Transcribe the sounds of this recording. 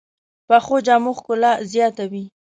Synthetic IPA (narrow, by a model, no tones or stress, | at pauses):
paxod͡ʒɑmʊxkʊlazjɑt̪awi